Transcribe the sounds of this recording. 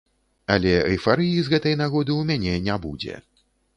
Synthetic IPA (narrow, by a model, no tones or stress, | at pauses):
ɐlʲɛɣʲifaɾɨjizɣɛt̪ɐjnaɣɔd̪ɨwmʲanʲɛnʲabud͡zʲɛ̰